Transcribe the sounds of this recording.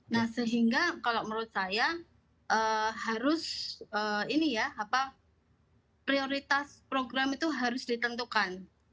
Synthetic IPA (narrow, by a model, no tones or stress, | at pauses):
nahsəɦiŋɡakalaməɾut̪̚saja | ʔəhaɾʊsəːinijaːpa | pɾioɾit̪aspɾoɡɾamit̪uɦaɾʊsdit̪ənt̪ukan